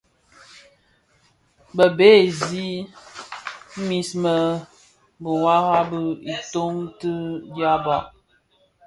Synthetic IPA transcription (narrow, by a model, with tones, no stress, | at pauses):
bə˨be˦˨zi˦ | mi˦smə˨ | bə˨wa˦ha˦bə˦i˨to˦ŋtɨ˦dja˦ba˨ʔ